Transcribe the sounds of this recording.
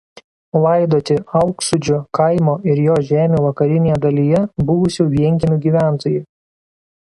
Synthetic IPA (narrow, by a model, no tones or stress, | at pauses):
lˠɐɪd̪oːt̪ʲɪɐʊksʊd͡ʒʲʊkɐɪmoːʔɪɾjoːʒʲæːmʲeːʋɐkɐɾʲɪnʲeːjɛd̪ɐlʲijɛbʊʋʊsʲʊʋʲiɛŋʲkʲɪmʲʊɡʲiːʋʲæˑnt̪oːjʊ